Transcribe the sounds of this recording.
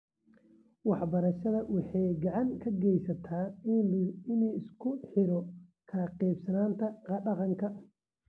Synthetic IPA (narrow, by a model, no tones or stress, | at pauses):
wɑħbɐɾɐʃɐðɐwɑħɑjɡɑʕɑŋkʰɐɡɛjsɐt̪ʰaːɪnɪnuːɪskʰʊħɪɾɔkʰaqɛːbsɐnaːnt̪ʰɐqɑɖɑqɑŋkʰɐ